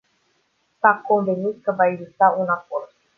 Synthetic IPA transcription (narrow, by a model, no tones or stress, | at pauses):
sako̞nvenit̪̚kəvaeɡzist̪aunako̞rd̪